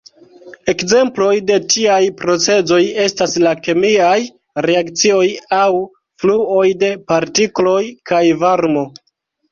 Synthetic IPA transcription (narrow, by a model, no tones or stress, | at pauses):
e̞kze̞mplo̞jde̞tiajpɾo̞t͡se̞zo̞je̞staslake̞miaj | ɾeakt͡sio̞jaw | fluo̞jde̞paɾtiklo̞jkʰajvaɾmo̞